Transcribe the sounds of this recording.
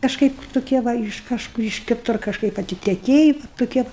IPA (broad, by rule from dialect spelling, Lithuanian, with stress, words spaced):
kɐʃˈkɐɪp toːˈkʲiɛ ˈʋɐ ɪʃ ˈkɑːʃkʊr ɪʃ kʲɪˈtʊr kɐʃˈkɐɪp ɐtʲɪtʲɛˈkʲeːjɪ ʋɐ toːˈkʲiɛ